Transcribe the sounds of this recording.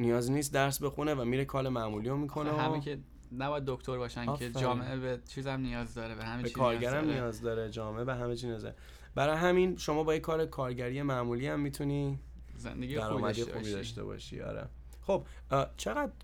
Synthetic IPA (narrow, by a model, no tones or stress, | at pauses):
nijɒːzniːs̬t̪̚d̪æɾsbe̞xunevæmiːɾekʰɒːlemæmuːlijomikʰo̞neæe | næbɒjæd̪ːokt̪ʰoɾbɒːʃænʲʰed͡ʒɒːmeʔebet͡ʃʰiːzæmnijɒːzd̪ɒːɾebehæmbekʰɒːɾɟæɾæmnijɒːzd̪ɒːɾed͡ʒɒːmeebeɦæmet͡ʃʰinæzæ̰ɾ | bæɾɒːjɦæminʃo̞mɒːbɒːjekʰɒːɾekʰɒːɾɟæɾije̞mæmuliæmːit̪ʰuniː | zḛnd̪eɡid̪æɾɒːmæd̪ixṵbid̪ɒ̰ʃt̪ḛbɒ̰ʃḭɒ̰ːɾḛ | χob̚ | t͡ʃʰe̞ɣæd̪